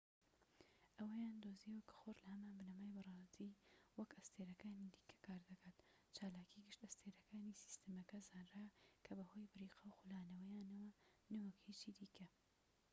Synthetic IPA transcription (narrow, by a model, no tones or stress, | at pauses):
ʔɐwɐjaːnd̪oziwɐkɐ̥xoːɾlɐhɐmaːnbɨnɐmaːjbɨrɑːst̪iːwɐkɐst̪ʰeːɾɐkaːnid̪iːkʰɐ̥kʰaːɾd̪ɐkʰaːt̪ | t͡ʃaːlaːkʰiɡɨʃt̪ɐst̪ʰeːɾɐkʰaːnisi̥st̪ɨmɐkɐzaːnrakʰɐbɐho̞ːjbɨɾiːqʰɐwxulaːnɐwɐjaːnɐwɐnɐwɐkheːt͡ʃid̪iːkʰɐ